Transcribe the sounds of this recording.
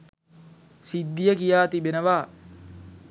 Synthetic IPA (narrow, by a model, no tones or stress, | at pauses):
sid̪ːijəkijaːt̪ibenəʋaː